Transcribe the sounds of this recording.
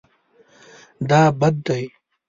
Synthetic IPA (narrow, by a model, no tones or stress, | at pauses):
d̪aːbɐd̪̚ːɐj